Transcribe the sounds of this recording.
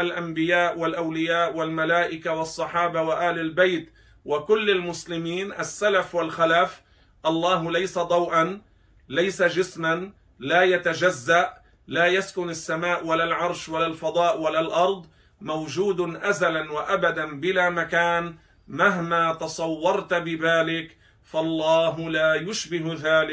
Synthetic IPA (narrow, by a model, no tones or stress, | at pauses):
ʔalʔambɪjaːʔwalʔawlɪjaːʔwalmalaːʔɪkawɑsˤːɑħɑːbawaʔaːlɪlbajt̪ | wakʊlːalmʊslɪmiːnʔasːalafwalxalaːf | ʔɑlˤːɑːɦlajsad̪ˤɑwʔan | lajsad͡ʒɪsman | laːjat̪ad͡ʒazːaʔ | laːjaskʊnasːamaːʔwalalʕɑɾˤʃwalalfɑd̪ˤɑːʔwalalʔɑɾˤd̪ˤ | mawd͡ʒuːd̪ʔazalanwaʔabad̪anbɪlaːmakaːn | maɦmaːt̪ɑsˤɑwːɑɾˤt̪bɪðaːlɪk | fɑlˤːɑːɦʊlaːjʊʃbɪɦðaːlɪk